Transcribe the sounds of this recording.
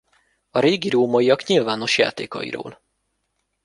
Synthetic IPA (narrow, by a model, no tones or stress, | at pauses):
ɒɾeːɡiɾoːmɒjiɒkɲilvaːno̞ʃja̰ːt̪ḛːkɒ̰ḭɾo̰ːl